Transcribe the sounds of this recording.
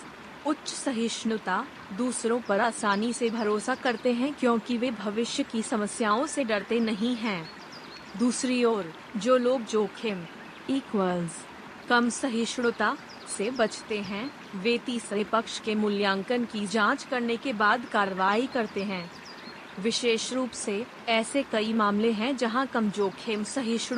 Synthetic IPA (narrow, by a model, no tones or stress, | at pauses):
ʊtːʃsɐɦɪʃɳʊt̪a | d̪uːsɾõpɐɾaːsaːnisebʱɐɾoːsakɐɾt̪eɦɛ̃kjõːkiʋebʱɐʋɪʃjəkisɐməsjaːõseɖɐɽt̪enɐɦĩɦɛ̃ː | d̪uːsɾioːɾ | d͡ʒoːloːɡ̚d͡ʒoːkʰem | iːkʋəlz | kɐmsɐɦɪʃɽot̪a | sebɐt͡ʃt̪eɦɛ̃ | ʋeːt̪isəepɐkʃkemʊljãːŋkənkid͡ʒãːt͡ʃkɐɾnekebaːd̪kaːɾʋaːikɐɾt̪eɦɛ̃ː | ʋɪʃeːʃɾuːpse | ɛːsekɐimaːmleɦɛ̃d͡ʒɐɦãkɐmd͡ʒoːkʰeːmsɐɦɪʃɽ